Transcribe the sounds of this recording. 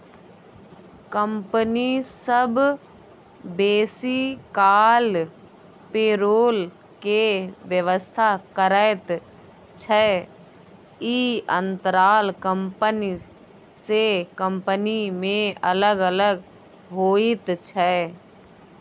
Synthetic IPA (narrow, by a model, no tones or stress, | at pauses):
kəmpənisəb | beːsikaːl | peːɾoːl | keʋjəʋəst̪ʰakəɾəɪt̪ | t͡ʃʰə | iə̃nt̪əɾaːlkəmpəni | sekəmpənimẽələɡələɡ | ɦoːit̪t͡ʃʰɛ